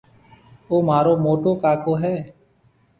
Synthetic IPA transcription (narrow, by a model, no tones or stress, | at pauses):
oːmaːɾoːmoːʈoːkaːkoːɦɛː